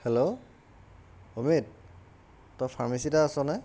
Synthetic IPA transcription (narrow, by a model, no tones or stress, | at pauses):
helo | omit̚ | tɔpʰaɹmisitaːsɔnaj